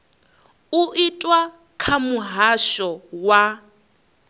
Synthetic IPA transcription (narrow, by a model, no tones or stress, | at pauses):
uʔitʼwa | kʰamuɦaʃɔwa